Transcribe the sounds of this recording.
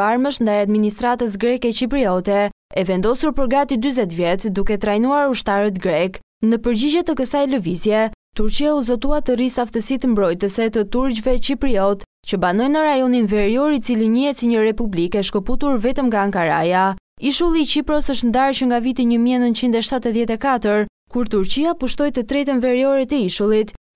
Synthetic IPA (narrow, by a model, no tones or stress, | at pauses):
aɾməʃnd̪ajad̪minist̪ɾat̪əs̬ɡɾɛkɛt͡ɕipɾiɔt̪ɛ | ɛvɛnd̪ɔsuɾpəɾɡat̪id̪yzɛt̪vjɛt̪d̪ukɛt̪ɾajnuaɾuʃt̪aɾət̪ɡɾɛk | nəpəɾd͡ʑid͡ʑɛt̪əkəsajləvizjɛt̪uɾt͡ɕiauzɔt̪uat̪ərisaft̪əsit̪əmbɾɔjt̪əsɛt̪ət̪uɾd͡ʑvɛt͡ɕipɾiɔt̪ | t͡ɕəbanɔjnəɾajɔninvɛɾiɔɾit͡siliɲəɛt͡siɲəɾɛpublikɛʃkəput̪uɾvɛt̪əmŋɡaːŋkaɾa̰jaiʃulˠiːt͡ɕipɾɔsəʃt̪nd̪aɾt͡ɕəŋɡavit̪iɲəmiɛnənt̪t͡ʃind̪ɛʃt̪at̪əðjɛt̪ɛkat̪əɾ | kuɾt̪uɾt͡ɕiapuʃt̪ɔjt̪ət̪ɾɛt̪ənvɛɾiɔɾɛt̪əiʃulˠit̪